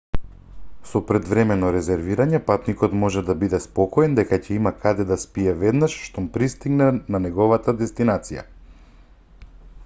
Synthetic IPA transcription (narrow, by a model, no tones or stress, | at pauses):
sɔpɾɛd̪vɾɛmɛnɔɾɛzɛɾviɾaɲɛpat̪nikɔt̪mɔʒɛd̪abid̪ɛspɔkɔɛnd̪ɛkacɛimakʰad̪ɛd̪aspiɛvɛd̪naʃʃt̪ɔmpɾist̪iɡnɛnanɛɡɔvat̪ad̪ɛst̪inat̪sija̰